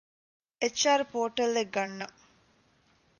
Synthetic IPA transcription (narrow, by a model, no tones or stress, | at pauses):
et͡ʃːaːɾpoːʈɐlːeɡɐnːɐ